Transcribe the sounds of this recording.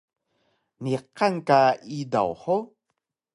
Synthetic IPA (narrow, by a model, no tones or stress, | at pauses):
niqːankaida̰wħo